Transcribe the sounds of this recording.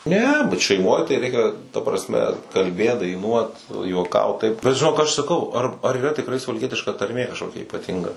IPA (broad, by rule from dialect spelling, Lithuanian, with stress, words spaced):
ˈnʲɛ bʲɛt ʃʲɛɪˈmoːj tɐɪ ˈrʲɛɪkʲɛ tɐ prɐsʲˈmʲɛ kɐlʲˈbʲeːt dɐɪˈnuɔt nʊ juɔˈkɐʊt tɐɪp bʲɛt ʒʲɪˈnoːk ɐʃ sɐˈkɐʊ ɐr ɐr iːˈrɐ tʲɪkˈrɐɪ sʊʋɐlʲˈkʲiɛtʲɪʃkɐ tɐrʲˈmʲeː kɐʃˈkoːkʲɛ iːpɐˈtʲɪŋɡɐ